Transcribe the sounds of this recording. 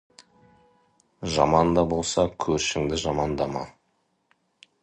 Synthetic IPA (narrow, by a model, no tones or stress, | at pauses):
ʒɑmɑnd̪ɑbo̞lˠsɑkʲʰɵɾʃɪŋd̪ɪʒɑmɑnd̪ɑmɑ̰